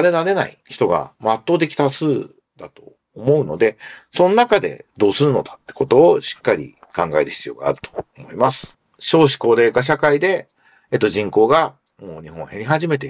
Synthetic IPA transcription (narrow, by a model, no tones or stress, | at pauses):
aɾe̞naɾe̞na̰ḭçi̥t̪o̞ɡa̰mat̪ːoːd̪e̞kʲi̥t̪asɨː | d̪̥at̪o̞̰ː | mo̞ɯ̟no̞̰d̪e̞so̞nonakad̪e̞̰d̪o̞ːsɨɾɯ̟no̞d̪ḁt̪ːe̞̥ko̞t̪o̞ːɕi̥kːaɾʲḭ | kãŋɡaet̪ɯçʲi̥t͡sɨjo̞ːɡa̰ːɾɯ̟t̪o̥omo̞imasɨ̥ | ɕo̞ːɕ̬i̥ko̞ːɾe̞ːkaɕ̬akaid̪e̞ | et̪ːoʑĩŋko̞ːɡa | mo̞ːɲ̟iɦõ̞ɰ̃heɾʲiɦaʑime̞t̪e